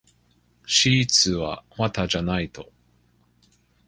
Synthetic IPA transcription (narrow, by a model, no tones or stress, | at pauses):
ɕiːt͡sɨβa̰wat̪aʑanait̪o̞